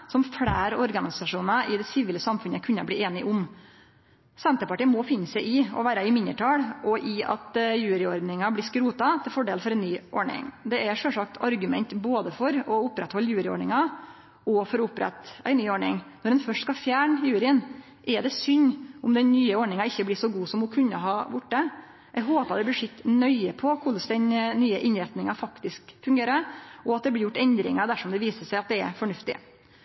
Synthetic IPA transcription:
sɔmfɽæːɾɔɾɡɑnɪsɑʂuːnɑʔɪd̪ɛsɪʋɪːləsɑmfʉnəkʰʉnːəblieːnɪʔʊm | sɛnt̪əɾpɑʈiːənmɔfɪnːəsæɪʔɪɔ̰ʋæːɾəɪmɪnːəʈʰɑːɽʔɔʔɪɑ̰t̪jʉːɾɪɔɾd̪nɪŋɑblɪskɾuːt̪ɑt̪ʰɪlfɔɖeːlfɔɾɛnːyːʔɔɳɪ̰ŋd̪ɛæʂœlʂɑk̚t̪ʰɑɾɡʉmɛ̰nt̪boːd̪əfɔɾɔʊpɾɛt̪hɔlːjʉːɾɪɔ̰ɳɪŋɑ | ɔfɔɾɔʊpɾɛ̰t̪æ̰ɪnyːɔɳɪ̰ŋnɔɾɛnfœʂʈskɑfjæːɳjʉːɾɪən | ʔɛɖɛsʏɲːʊmd̪ɛnnyːəɔɳɪŋɑɪçːəblɪsɔɡuːsɔmhʊkʰʉnːə̰ɦɑːʋʊʈːə | ʔɛɡɦoːpɑd̪ɛblɪʂɪt̪ːnœʏəpʰɔkʰʊlsd̪ɛnnyːəʔɪnɾɛt̪nɪŋɑfɑkt̪ɪskfʉŋɡeːɾəɾɔɑt̪̚d̪ɛblɪɾjʊʈːɛnd̪ɾɪ̰ŋɑd̪æʂɔmd̪ɛʋiːsəʂæɪɑt̪̚d̪ɛɛɾfɔɳʉft̪ɪ̰

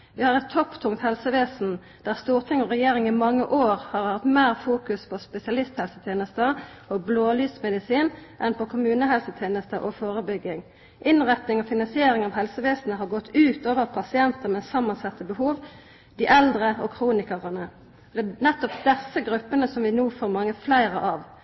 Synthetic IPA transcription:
ʋɪhɑːʁɛt̪ʰːɔpt̪ʰʊŋkt̪hɛlsəʋeːsn̩ | d̪̥æʁst̪uːʁt̪ʰɪŋɔʁɛjeːɾɪŋɪmɑŋːəʔoːʁhɑʁhɑt̪meːʁfuːkʉspʰɔspɛsɪɑlɪst̪hɛlsət̪ʰjeːnəst̪ə | ɔbloːlyːsmɛd̪ɪsiːnʔɛnpɔkʰʊmʉːnəɦɛlsət̪ʰjeːnəst̪əʔɔfoːʁəbʏɡːɪŋ | ʔɪnʁɛt̪nɪŋɔfɪnɑnsɪeːɾɪŋɑʋhɛlsəʋeːsən̩əɦɑʁɡɔt̪ʰːʉːt̪oːʋəʁpʰɑsɪɛnt̪əʁmɛsɑmːɑnsɑt̪ːəbəhuːʋ | d̪̥ɪʔɛld̪ʁəɔkʰʁuːnɪkəʁənə | ɔd̪ɛnɛt̪ːɔpd̪ɛsəɡʁʉpːənəsɔmʋɪnuːfoːɾmɑŋːəflæɪʁəʔɑʋ

